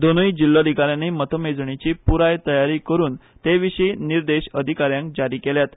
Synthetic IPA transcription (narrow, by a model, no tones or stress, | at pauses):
d̪onəid͡ʑilːad̪ʱikaɾjanemət̪ʰəmed͡zɳit͡ɕiːpuɾajt̪əjaɾiːkəɾuːn | t̪eʋiɕiːniɾd̪eɕəd̪ʱikaɾjãŋkd͡zaɾiːkeljat̪